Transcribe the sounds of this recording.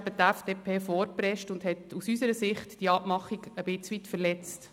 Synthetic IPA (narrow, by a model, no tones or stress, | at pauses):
bət̪æfd̥eːpʰeːfɔɾpɾɛʃtʊndhɛtusysəɾəsɪχtd̥iɑpmɑχiɡəb̥ɪt͡sʋitfəlɛt͡st